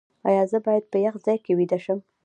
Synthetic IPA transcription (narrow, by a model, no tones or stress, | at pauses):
ɑ̰jɑzəbɑjad̪̚pəjaxzɑjkewid̪aʃəm